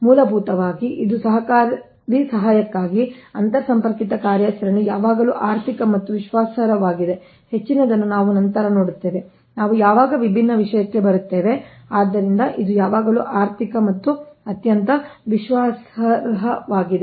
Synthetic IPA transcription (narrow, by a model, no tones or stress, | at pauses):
muːlɐbʱuːt̪ɐʋaːɡiʔid̪usɐɦɐkaːɾ | ɾisɐɦaːjɐkːaːɡiɐnt̪ɐɐsɐmpɐɾkit̪ɐkaːɾjɐsɐɾɐnujaːʋaːɡɐluːʔaːɾt̪ʰikɐmɐt̪ːuʋiʃʋaːsɐɾɐʋaːɡid̪e | het͡ʃːinɐd̪ɐnːunaːʋunɐnt̪ɐɾɐno̞ːɽut̪ːe̞ːʋe̞ | naːʋujaːʋaːɡɐʋibʱinːɐʋiʂɐjɐkːe̞bɐɾut̪ːe̞ːʋe̞aːd̪ːɐɾind̪ɐʔid̪ujaːʋaːɡɐlṵːʔaːɾt̪ʰikɐmɐt̪ːuɐt̪jɐnt̪ɐʋiʃʋaːsɐɾɐɦɐʋaːɡid̪e